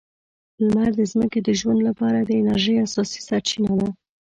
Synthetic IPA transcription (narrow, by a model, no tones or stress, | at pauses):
lmaɾd̪əzməked̪əʒwand̪lapɑɾad̪əɪnaɾʒəjasɑsi̥saɾt͡ʃinad̪a